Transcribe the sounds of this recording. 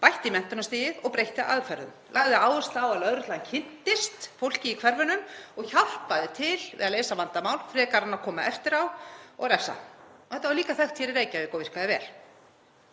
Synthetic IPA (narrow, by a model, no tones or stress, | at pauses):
pajht̪ɪimɛn̥t̪ʏɾnast̪iːjɪðɔɣpɾejht̪ɪʔa̰ðfɛɾðʏ̰mlaɣðɪaːwvʏst̪awaðlœðɾʏt̪lancʰɪn̥t̪ɪst̪fowl̥cɪikʰvɛɾvʏnʏmɔɣçal̥paðɪt̪ʰɪlvɪ̰ðaleːjsavant̪amaːwlfɾɛːkaɾanakʰɔːmaʔɛft̪ɪɾawɔ̰ɣɾɛfsa̰ɔɛht̪avaliːkaθɛxt̪ʰçɛɾɪɾeːjcavɪkowvɪr̥kaðɪvɛ̰ːl̥